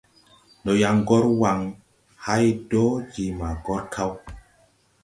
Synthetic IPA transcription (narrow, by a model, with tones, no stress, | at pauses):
nɔ˨ja˨ŋɡɔ˦ɾwa˨ŋ | ha˦jdɔ˦d͡ʒi˨ma˨ɡɔ˦ɾkʰa˦w